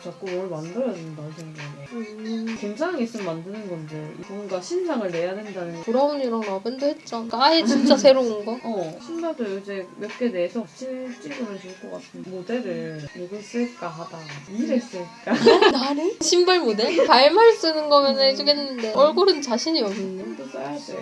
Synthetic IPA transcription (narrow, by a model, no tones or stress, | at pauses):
t͡ɕak͈umʌɭmandɯɾjʌdindansʰeŋdoe | koŋsʰanɦaɡes͈ɯmandɯnɯnɡʌndeiboŋɡaɕʰinsʰaŋɯɭne̞jadwendanɯnpuɾabuniɾʌnabendohet̚t͡ɕ͈ok͈aaet͡ɕint͡ɕ͈asʰe̞ɾoɯnɡʌʌɕʰimbaɭd͡ʑojod͡ʑe̞mjʌk͈ʰe̞deɦːsʰʌt͡ɕʰint͡ɕ͈iɡɯnɯɭt͡ɕʰuɭk͈ʌk͈atʰɯnmodeɾɯɭɭnoɡɯɭs͈ɯɭk͈aɦad̥aiɾes͈ɯɭk͈anaɾɯɕʰimbaɭmode̞paɭmaɭs͈ɯnɯnɡʌmjʌnɯnɦed͡ʑuɡenːɯnːɯnde̞ʌɭɡoɾɯnt͡ɕaɕʰiɲiʌmnɯndedos͈ajadḛ